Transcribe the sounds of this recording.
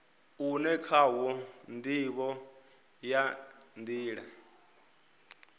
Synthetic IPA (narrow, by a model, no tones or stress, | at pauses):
unɛkʰawɔndiβɔ | jandiːɺa